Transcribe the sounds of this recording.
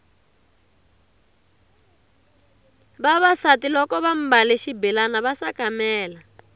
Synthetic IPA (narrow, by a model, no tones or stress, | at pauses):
βaβasatilɔkɔβam̩baleʃibɛlanaβasakamɛːla